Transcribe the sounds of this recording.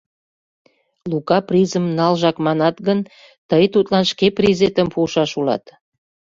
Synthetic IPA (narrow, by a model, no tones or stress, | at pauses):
lukɑprizəmnɑlʒɑkmɑnɑt̪ɡən | t̪əjt̪ut̪lɑnʃkeprizet̪əmpuʃɑʃulɑ̰t̪